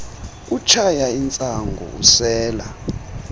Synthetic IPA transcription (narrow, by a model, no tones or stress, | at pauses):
k̬ʼut͡ʃʰajaint͡sʼaŋɡʱɔ̰ṵsɛːla̰